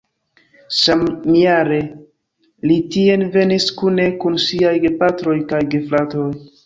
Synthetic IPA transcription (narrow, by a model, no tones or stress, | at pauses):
sammiaɾe̞ | litie̞nve̞niskune̞kunsiajɡepatɾo̞jkajɡeflato̞j